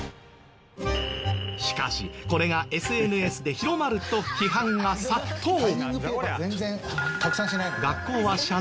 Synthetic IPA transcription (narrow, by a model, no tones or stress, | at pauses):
ɕi̥ka̰ɕḭko̞ɾe̞ɡaʔe̞sɨe̞nɯ̟e̞sɨd̪e̞çiɾo̞maɾɯ̟t̪o̞çʲiɦãŋɡasat̪ʰːoːɯezẽnzẽkakɯ̟̥sãɕinaiɡakːo̞ːβaɕa